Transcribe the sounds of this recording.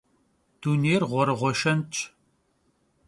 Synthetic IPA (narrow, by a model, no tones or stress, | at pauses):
d̥uːneːrʁʷɔɾɨʁʷɔʃɐnt͡ʃʼ